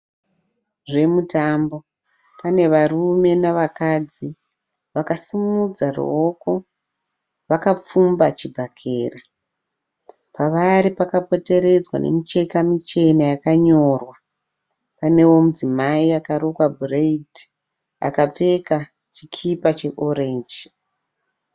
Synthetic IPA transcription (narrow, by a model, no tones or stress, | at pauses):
ʐe̞mutambo̞ | pane̞ʋarume̞naʋakad͡zi | ʋakasimud͡zarṵoko̞ | ʋakap͡fumbat͡ʃibʱakʰeːra | paʋaɾipakapo̞te̞ɾe̞d͡zwa̰ne̞̰mit͡ʃe̞kamit͡ʃe̞nejakaɲo̞rwa | pane̞wo̞mud͡zimaiakaɾokwabʱureidi̥ | a̰kap͡fe̞ka | t͡ʃikʰipat͡ʃe̞ʔoreːnd͡ʒi